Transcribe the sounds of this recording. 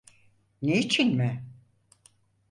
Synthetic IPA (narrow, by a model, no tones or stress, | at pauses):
nejt͡ʃʰinmɪ